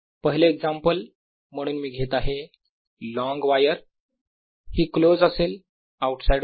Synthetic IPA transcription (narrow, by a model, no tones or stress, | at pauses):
pəɦileːɡd͡zampəl | m̤əɽ̃uːnmiːɡʱet̪aɦe | lɔ̃ŋɡʋajəɾ | hiːklod͡zasel | awuʈsajɖ